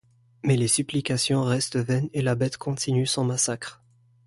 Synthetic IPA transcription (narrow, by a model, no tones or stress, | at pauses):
mɛlesyplikasjɔ̃ʁɛst̪vɛnelabɛt̪kʰɔ̃t̪ʰinysɑ̃masakχ